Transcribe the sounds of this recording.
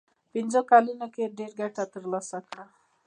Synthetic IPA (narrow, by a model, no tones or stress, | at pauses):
pind͡ʒokalinəkeɾɖeɾɡɛʈʰat̪əɾlasaka